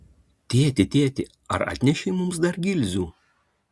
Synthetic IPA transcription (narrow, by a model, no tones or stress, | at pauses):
t̪ʲeːt̪ʲɪt̪ʲeːt̪ʲɪ | ɐ̰ɾɐ̰ːt̪ʲnʲɛʃʲɛɪmʊmsd̪ɐɾɡʲɪlʲzʲuː